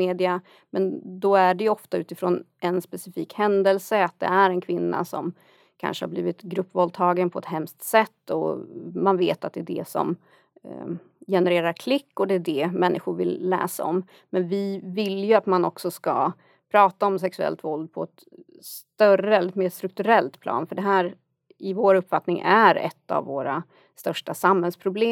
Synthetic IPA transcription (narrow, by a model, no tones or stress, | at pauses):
eːd̪ɪa | mɛnd̪ɔæɖɛjɵɔft̪aʉ̟ːt̪ɪfɾoːnɛnspɛsɪfiːkhɛnd̪əlsəat̪̚d̪ɛ̰æɾɛnkʰvɪnːa̰sɔm | kʰa̰nʂəhabliːvɪt̪ɡɾɵpːvɔld̪̚t̪ʰɑːɡənpʰɔɛt̪ɦɛmst̪sɛt̪ːɔ̰manveːt̪at̪̚d̪ɛːd̪ɛ̰sɔ̰m | jɛnɛɾeːɾaɾkʰlɪkːɔd̪ɛːɖɛmɛnːʔɪɧʊɾvɪ̰lːɛ̰ːsa̰ɔm | mɛnvɪvɪljɵat̪manɔksɔska̰ | pʰɾɑːt̪aɔmsɛksɵɛ̰lt̪vɔld̪̚pʰɔɛt̪ | st̪œɾəɛlːəɛt̪meːst̪ɾɵk̚t̪ɵɾɛlt̪pʰlʔɑ̰ːnfœɖɛɦæːɾ | ɪvoːɾɵpːfat̪nɪŋʔæɾɛ̰t̪ːa̰vːoːɾa | st̪œʂʈasamhɛlspʰɾʊbleː